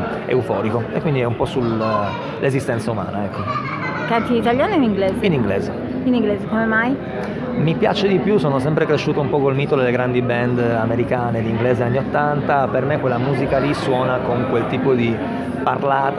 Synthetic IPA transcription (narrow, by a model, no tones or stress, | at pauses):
ḛufɔːɾikoekːwind̪iɛumpɔsul | lezist̪ɛnt̪sauma̰ːnaɛkʰːo | kant̪iit̪aljaːneeniŋɡleːzeiniŋɡleːze | inĩŋɡleːzekomemaj | mipja̰t͡ʃed̪ipjusoːnosɛmpɾekɾeʃːuːt̪oumpɔkolmiːt̪od̪elːeɡɾand̪ibɛnd̪ameɾikaːned̪iŋɡleːzeanːiot̪ːant̪apermekːwelːamuːzikaliswɔːnakoŋkwelt̪iːpod̪i | parlaːt̪